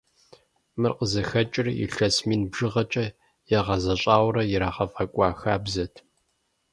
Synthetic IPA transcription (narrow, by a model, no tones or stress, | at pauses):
mɨrqəzɐxɐt͡ʃʼɪrḭɬɐsmiːnbʒɨʁɐt͡ʃʼɐ | jɛʁɐzɐɕʼaːwʷɾɐjɪɾaːʁɐfɐkʷʼɑːxaːbzɐtʰ